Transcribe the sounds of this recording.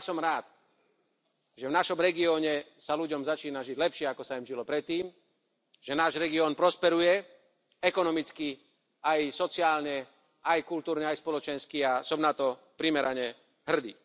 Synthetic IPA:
jasɔmɾaːt̪ | ʒɛvnaʃɔmɾɛɡiɔːɲɛsaluɟɔmzat͡ʃiːnaʒiɟlɛpʃɪɛakɔsaimʒilɔpɾɛt̪ːiːm | ʒ̥ɛnaːʒɾɛɡiɔːnpɾɔspɛɾujɛ | ɛkɔnɔmit͡ski | ajsɔt͡sɪaːlɲɛ | ʔajkult̪uːɾɲɛajspɔlɔt͡ʃɛnskiasɔmnat̪ɔ | pɾimɛɾaɲɛ | ɦr̩d̪ḭː

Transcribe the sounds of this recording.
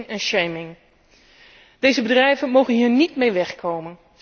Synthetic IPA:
ŋɛnʃejmɪŋ | dejzəbədrɛjvənmowχənɦiːɹnitmejʋɛχkʰowmən

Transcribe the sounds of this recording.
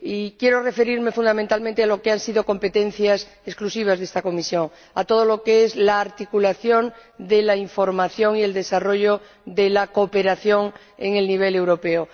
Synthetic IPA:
ikje̞ɾore̞fe̞ɾiɾme̞fund̪amẽnt̪almẽnt̪ealo̞keansið̞o̞ko̞mpe̞t̪ẽ̞n̟θjas | esklusiβ̞azðest̪ako̞misjõ̞ŋ | at̪o̞ð̞o̞lo̞keezlaːɾt̪ikulaθjo̞nd̪elaiɱfo̞ɾmaθjo̞ŋie̞ld̪e̞saro̞ʝo | ðe̞lakope̞ɾaθjo̞ŋ | ḛŋe̞lniβ̞e̞le̞wɾo̞pe̞o

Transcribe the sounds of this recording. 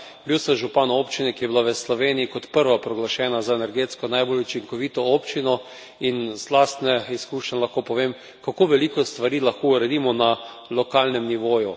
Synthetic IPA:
bbiwsɛʒupanopt͡ʃinɛkijɛbilaʋəslɔʋeniikɔt̪pəɾʋapɾɔɡlaʃɛːnazaenɛɾɡeːt̪skɔnajbolʲut͡ʃiŋkɔʋiːt̪ɔopt͡ʃinɔ | inzlast̪nɛiskuːʃnɛlaxkopɔʋem | kakoʋɛlikɔst̪ʋaɾiːlaxkouɾɛd̪imɔna | lɔkalnɛmniʋoːju

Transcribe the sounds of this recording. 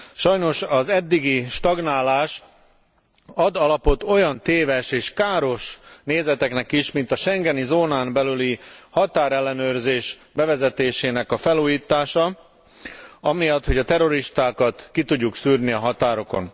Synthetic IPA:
ʃɒjno̞ʃɒzɛd̪ːiɡiʃt̪ɒɡnaːlaːʃ | ɒd̪ɒlɒpo̞t̪o̞jɒnt̪eːvɛʃeːʃkaːɾo̞ʃneːzɛt̪ɛknɛkiʃmint̪ɒʃɛŋɡɛnizoːnaːmbɛlylihɒt̪aːɾɛlːɛnøːrzeːʃbɛvɛzɛt̪eːʃeːnɛkɒfɛluːjiːt̪ːaːʃɒ | ɒmijɒt̪ho̞ɟɒt̪ɛɾo̞ɾiʃt̪aːkɒt̪kit̪uɟːuksyːrniɒɦɒt̪aːɾo̞ko̞̰n

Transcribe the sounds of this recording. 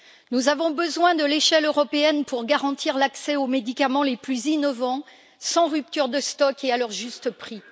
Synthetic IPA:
nuzavɔ̃bəzwɛ̃d̪əleʃɛløʁɔpeɛnpuʁɡaʁɑ̃t̪iʁlaksɛomed̪ikamɑ̃leplyzinɔvɑ̃ | sɑ̃ʁyp̚t̪yʁd̪əst̪ɔkealœʁʒyst̪əpχi

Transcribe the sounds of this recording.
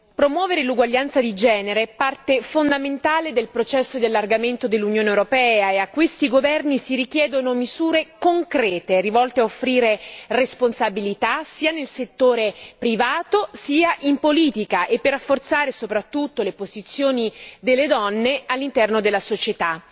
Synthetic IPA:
pɾomwɔːveɾeluɡwaʎːant̪sad̪id͡ʒɛːneɾepart̪efond̪ament̪aːled̪elpɾot͡ʃɛsːod̪ialːarɡament̪od̪elːunjoːnewɾopɛːaeakːwest̪iɡovɛrnisiɾik̟jɛːd̪onomizuːɾekoŋkɾɛːt̪erivɔlt̪eaofːɾiːɾeresponsabilit̪asiːanelset̪ːoːɾepɾivaːt̪osiːaʔimpoliːt̪ikaʔepːerːafːort̪saːɾesopɾat̪ːut̪ːolepozit̪sːjoːnid̪elːed̪ɔnːealːint̪ɛrnod̪elːasot͡ʃet̪a

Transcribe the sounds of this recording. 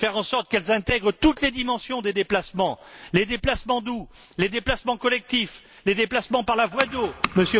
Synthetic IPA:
fɛʁɑ̃sɔʁt̪kɛlzɛ̃t̪ɛɡʁət̪ut̪led̪imɑ̃sjɔ̃d̪ed̪eplasmɑ̃led̪eplasmɑ̃d̪u | led̪eplasmɑ̃kɔlɛk̚t̪if | led̪eplasmɑ̃paʁlavwad̪oməsjø

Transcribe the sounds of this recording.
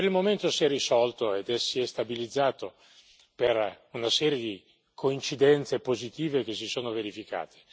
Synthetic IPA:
peɾilmoment̪osiɛrːisɔlt̪oed̪ɛsːiɛst̪abilid̪zːaːt̪o | per | unasɛːɾjed̪i | kʰoint͡ʃid̪ɛnt̪sepozit̪iːvek̟es̬isoːnoveɾifika̰ːt̪ʰe̥

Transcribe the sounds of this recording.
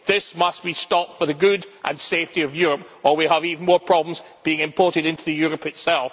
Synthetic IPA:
ðɪsmʌs̚b̥istɔp̚tfə˞ðəɡʉdʔə̰̃nseftiʌvjʉɹəp̚wəlˠwiəvivn̩mɔɹpʰɹ̥ɔbləm̩zb̥iɪ̃ŋɨ̃mpʰɔɹʔɪɾɪ̃ntʰʉðɨjʉɹəpɨtsɛlˠf

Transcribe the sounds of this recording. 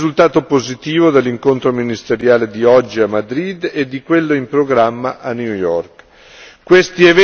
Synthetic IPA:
zult̪aːt̪opozit̪iːvod̪elːiŋkont̪ɾominist̪eɾjaːled̪iɔd͡ʒːiamːad̪ɾid̪ed̪ːikwelːoimpɾoɡɾamːaʔanːjujɔrk | kwest̪ievɛ

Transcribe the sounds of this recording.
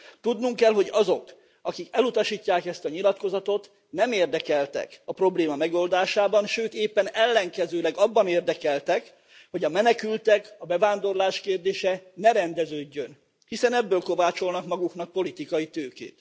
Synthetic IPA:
t̪ud̪nuŋkɛlɦo̞ɟɒzo̞k | ɒkikɛlut̪ɒʃiːcːaːkɛst̪ɒɲilɒt̪ko̞zɒt̪o̞t̪ | nɛmeːrd̪ɛkɛlt̪ɛ̰kɒpro̞bleːmɒmɛɡo̞ld̪aːʃaːbɒnʃøːt̪eːpːɛnɛlːɛŋkɛzøːlɛɡɒbːɒneːrd̪ɛkɛlt̪ɛk | ho̞ɟɒmɛnɛkylt̪ɛkɒbɛvaːnd̪o̞rlaːʃkeːrd̪eːʃɛnɛɾɛnd̪ɛzøːɟːøn | hisɛnɛbːøːlko̞vaːt͡ʃo̞lnɒkmɒɡuknɒk̚po̞lit̪ikɒjit̪øːkḛːt̪

